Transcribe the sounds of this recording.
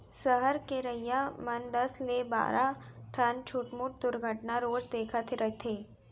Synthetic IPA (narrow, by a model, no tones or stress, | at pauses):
səɦəɾkeɾəjjamənd̪əsleba̰ːɾʔaʈʰənt͡ʃʰuːʈmuʈ̚d̪uɾɡʱəʈnaɾoːd͡ʒd̪eːkʰat̪ʰiɾəɦt̪ʰe